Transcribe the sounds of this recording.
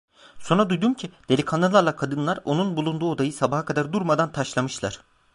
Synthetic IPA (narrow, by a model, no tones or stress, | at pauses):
so̞nɾad̪ujd̪umcʰid̪̥elʲikʰanalˠaɾlˠakʰad̪ɯnlˠaɾo̞nunbulˠund̪uːo̞d̪ajɯsabaɦakʰad̪aɾd̪uɾmad̪ant̪ʰaʃlˠamɯʃlˠa̰ɾ̥